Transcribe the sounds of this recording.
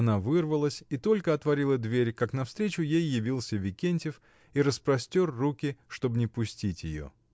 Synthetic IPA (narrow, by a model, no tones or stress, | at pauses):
ɐnavɨrvəlˠəsʲit̪o̞lʲkəɐt̪vɐɾʲilˠəd̪vʲeɾʲkaknɐfst̪ɾʲet͡ɕʊjejːɪvʲilˠsʲəvʲɪkʲenʲtʲɪf | iɾəspɾɐsʲtʲorːukʲɪʂt̪o̞bnʲɪpʊsʲtʲitʲjɪ̰jo̰